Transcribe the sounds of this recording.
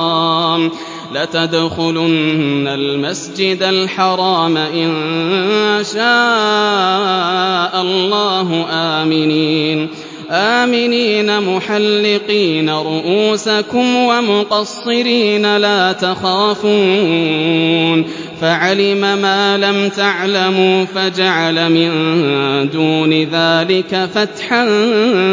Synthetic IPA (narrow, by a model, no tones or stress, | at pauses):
m | lat̪ad̪xʊlʊnːalmasd͡ʒɪd̪alħɑɾˤɑːmaʔɪn | ʃaː | ʔalˤːɑːɦʊʔaːmɪniːn | ʔaːmɪniːnamʊħalːɪqiːnaɾˤʊʔuːsakʊmwamʊqɑsˤːɨɾiːnalaːt̪axaːfuː | n | faʕalɪmamaːlamt̪aʕlamuːfad͡ʒaʕalamɪnd̪uːnɪðaːlɪkafat̪ħan